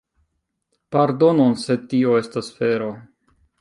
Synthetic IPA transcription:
paɾdo̞nonse̞tio̞e̞stasfe̞ɾo

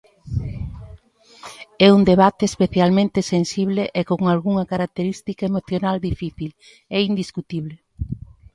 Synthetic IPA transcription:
ɛund̪eβ̞at̪eːspeθjalmẽnt̪esensiβ̞leʔekoŋalɣuŋɐkaɾak̚t̪eɾist̪ikaemoθjonald̪ifiθil | eind̪iskut̪iβle

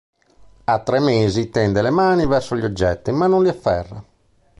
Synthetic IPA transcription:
at̪ːɾɛmeːzit̪ɛnd̪ɛlɛmaːnivɛrsoʎɔd͡ʒːɛt̪ːimanːonliafːɛ̰rːa̰

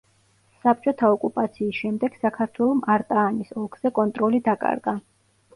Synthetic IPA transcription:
sap̚t͡ʃʼɔt̪ʰaɔkʼupʼat̪sʰiːsʃɛmd̪ɛɡ̥sakʰaɾt̪ʰwɛlˠɔmaɾt̪ʼaːnisɔɡz̥ɛkʼɔnt̪ʼɾɔlid̪akʼa̰ɾɡa

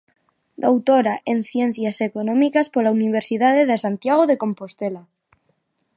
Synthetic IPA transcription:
d̪owt̪oɾaʔenθjen̟θjasekonõmikaspolauniβ̞eɾsiðaðeðesant̪jaɣ̞oðekompost̪ela

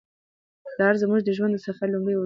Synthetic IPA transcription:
d̪ɑɾzəmuʒd̪əʒwand̪saχalumɽəjw

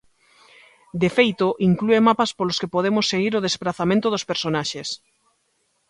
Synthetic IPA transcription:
d̪efejt̪oʔiŋkluemapaspoloskepoð̞emosːeɣiɾoð̞espɾaθamẽnt̪oðospeɾsonaʃes

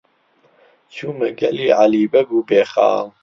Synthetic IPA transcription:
t͡ʃʰumɛɡɛlialiːbɛɡubɛːχa̰ːm

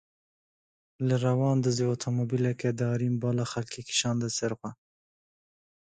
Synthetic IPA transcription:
laɾawɑnd̪əzeot̪ʰomobilaked̪əɑɾimbɑlaxalkʰeki̥ʃɑnd̪əseɾxwa

